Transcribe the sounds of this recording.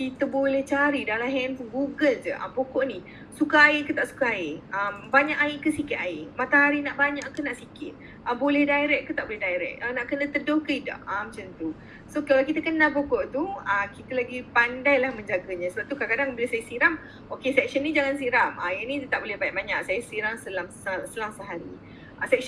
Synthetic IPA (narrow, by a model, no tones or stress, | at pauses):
kit̪əbolɛht͡ʃaɾidalaɦɛnpuŋɡuɡəld͡ʒə̰ʔa̰bokoʔni | sukaaɪkət̪aʔsu̥kaaɪəmbaɲaʔaɪʔkəsikɪt̪aɪmat̪aɦaɾinaʔbaɲaʔkənaʔsikɪt̪̚ | ʔəbolɛhdaiɾɛk̚kːət̪aʔbolɛɦdaiɾɛ̰k̚ənaʔkənət̪ədohkəida̰ʔamət͡ʃənt̪u | sokalawkit̪əkənabokoʔt̪uakit̪əlaɡipandajlahmə̃ɲd͡ʒaɡaɲãsəbap̚t̪ukaakadaŋbiləsajasiɾam | okesɛk̚ʃənid͡ʒaŋans̬iɾamʔa̰ɪnit̪ət̪aʔbolɛhbajaʔ̚baɲaʔsajasiɾaŋsəlamssəlamsəɦaɾḭ | ʔasɛk̚